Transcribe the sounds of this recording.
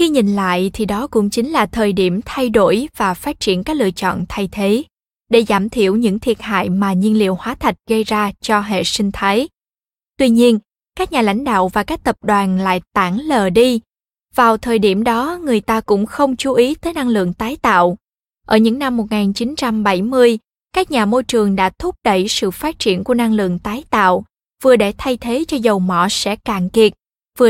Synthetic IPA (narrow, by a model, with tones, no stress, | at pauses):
xi˧ɲi˨˩nla̰ː˧˨jt̪ʰi˨˩ɗɔ˨˦kʊ̰˧˥ŋ͡mt͡ɕï˨˦ŋ̟laː˨˩t̪ʰəː˨˩jɗi˧˩əmt̪ʰa˧jɗo˧˩jvaː˨˩faː˦˥t̚t͡ɕi˧˩ənkaː˦˥k̚lɨ̰˧˨ət͡ɕɔ̰˧˨nt̪ʰa˧jt̪ʰe˨˦ | ɗe˧˩zaː˧˩mt̪ʰḭ˧˩əwɲɨ̰˧˥ŋt̪ʰi˨˩t̚ha̰ː˧˨jmaː˨˩ɲi˧ənlḭ˧˨əwhwaː˨˦t̪ʰa˨˩jk̟̚ɣə˧jzaː˧t͡ɕɔ˧ɦḛ˧˨sï˧ŋ̟t̪ʰaː˨˦j | t̪wi˧ɲi˧ən | kaː˦˥k̚ɲaː˨˩la̰˧˥jŋ̟ɗa̰ː˧˨wvaː˨˩kaː˦˥k̚t̪ə˨˩p̚ɗwaː˨˩nla̰ː˧˨jt̪a̰ː˧˩ŋləː˨˩ɗi˧ | vaː˨˩wt̪ʰəː˨˩jɗi˧˩əmɗɔ˨˦ŋɨ˨˩əjt̪aː˧kʊ̰˧˥ŋ͡mxə˧wŋ͡mt͡ɕu˨˦ʔi˨˦t̪əː˨˦jna˧ŋlɨ̰˧˨əŋt̪aː˨˦jt̪a̰ː˧˨w | ʔəː˧˩ɲɨ̰˧˥ŋna˧mːo˨˩ŋaː˨˩nt͡ɕi˨˦nt͡ɕa˧mɓa˧˩jmɨ˧əj | kaː˦˥k̚ɲaː˨˩mo˧jt͡ɕɨ˨˩əŋɗa̰ː˧˥t̪ʰʊ˦˥p̚ɗə̰˧˨jsɨ̰˧˨faː˦˥t̚t͡ɕḭ˧˩ənku˧˩əna˧ŋlɨ̰˧˨əŋt̪aː˨˦jt̪a̰ː˧˨w | v̥ɨ˨˩əɗe˧˩t̪ʰa˧jt̪ʰe˨˦t͡ɕɔ˧zə˨˩wmɔ̰˧˨sɛ̰˧˥kaː˧˩ŋki˨˩ət̚ | vɨ˨˩ə